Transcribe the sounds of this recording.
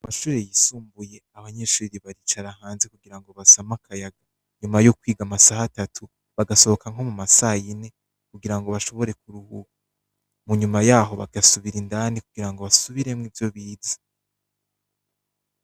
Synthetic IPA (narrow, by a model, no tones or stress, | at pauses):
amaʃuːɾejisuːmbuje̞aβaɲe̞ːʃuːɾiβaɾit͡ʃaɾahaːnze̞kuɡiɾaŋɡo̞βasamakʰajaɡa | ɲumajo̞kwiːɡamasahatatʰu | βaɡaso̞βokaŋ̥ɦo̞mumasajine̞ | kuɡiɾaŋɡo̞βaʃo̞βo̞ɾe̞k̚uɾuhuku | muɲumajaːɦo̞βa̰ɡasuβiɾindanikuɡ̥iɾaŋɡo̞βasuβiɾe̞mŋiːvjo̞βiːzḁ